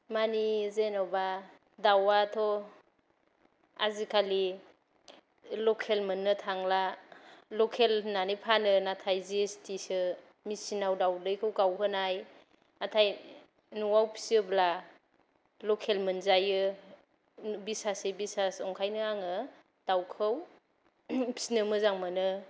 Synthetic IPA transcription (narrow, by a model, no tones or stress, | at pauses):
manizenɔba | dawatʰɔ | a̰zikʰali | lɔkʰelmɯnːɯtʰaŋla | lɔkʰelnanijpʰanɯnatʰajziestisɯ | misinawdawlɯjkʰɯwkawɦɯnaj | natʰaj | nuwawpʰi̥siɯbla | lɔkʰelmɯnzajɯ | bisasebisasɔŋkʰajnɯaŋɯ | tawkʰɯw | pʰi̥snɯmɯzaŋmɯnɯ